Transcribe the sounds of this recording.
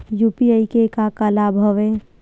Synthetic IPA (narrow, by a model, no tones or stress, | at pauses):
juːpiaikekakɐlabʱɔʋe